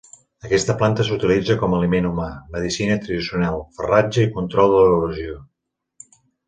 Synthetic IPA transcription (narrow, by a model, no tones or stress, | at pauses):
əkɛst̪əplant̪əsut̪ilid͡zəkɔməlimenumaməðisinət̪ɾəðisiunalˠfərad͡ʒəikunt̪ɾɔlˠd̪ələβəβəzio